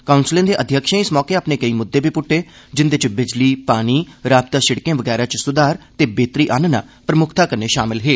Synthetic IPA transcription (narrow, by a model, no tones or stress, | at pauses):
kaːʊnsɪlẽːd̪eːʔəd̪ʱjəkʃẽɪsmɔːkeːaːpneːkəiːmʊd̪ːeːbʱiːpʊʈʰːeːd͡ʒɪnd̪ɪt͡ʃbɪd͡ʒliːpaːniːɾaːb̚t̪aːʃɪɽkẽːʋəɡɛːɾaːt͡ʃsʊd̪aːɾt̪eːbeːt̪ɾiːʔaːnəna̰ːpɾəmʊkʰt̪aːkəɾneːʃaːmɪlɦeː